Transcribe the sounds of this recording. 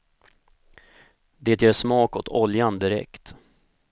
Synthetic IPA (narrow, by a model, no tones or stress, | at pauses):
d̪eːt̪jeːʂmɑːkɔt̪ʰɔljand̪ɪɾɛ̰kt̪